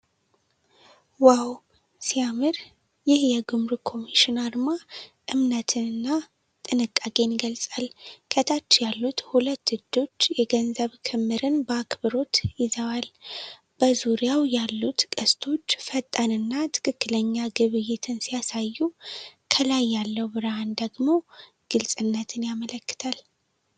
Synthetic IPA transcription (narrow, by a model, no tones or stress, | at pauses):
waw | siamɨɾ | jɪhjɛɡɨmɾukʰo̞miʃinaɾmaʔɨmnət̪ʰɨnɨnːa | t̪ʼɨnɨkʼːaɡʼe̞niɡəlsʼalkʰət̪ʰat͡ʃːjalːut̪hulət̪ːɨd̪o̞t͡ʃːjɛɡənzəβkʰɨmːɨɾɨnbəakbɨɾo̞t̪jɪzəwal | b̥əzuɾijawjalːut̪kʼəst̪ʰo̞t͡ʃːfət̪ʼːanɨnːat̪ʰɨ̥kʰɨkːɨləɲːaɡɨβɨjɪt̪ʰɨnsijasajːukʰəlajːalːəwbɨɾaand̪əɡmo̞ | ɡ̥ɨlsʼɨnːət̪ʰɨnjamələkːɨ̥t̪ʰal